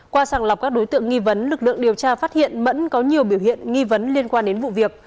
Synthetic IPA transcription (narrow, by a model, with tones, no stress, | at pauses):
kwaː˧saː˧˩ŋla˨˩k͡p̚kaː˦˥k̚ɗo˨˦jt̪ɨ̰˧˨əŋi˧və˨˦nlɨ˨˩k̚lɨ̰˧˨əŋɗi˨˩əwt͡ɕaː˧fa˦˥t̚hḭ˧˨ənmə̰˧˥nkɔ˨˦ɲi˨˩əwɓi˧˩əwhḭ˧˨ənŋi˧və˨˦nli˧ənkwaː˧nɗe˨˦nvṵ˧˨vi˨˩ək̚